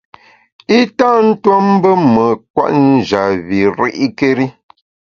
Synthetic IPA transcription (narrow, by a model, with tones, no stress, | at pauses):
i˦ta˦n̩˦twa˦m˦bə˦mə˨kwa̰˦˨ʔn̩˦d͡ʒa˨βi˨ɾḭ˦ʔi˦ke˦ɾi˦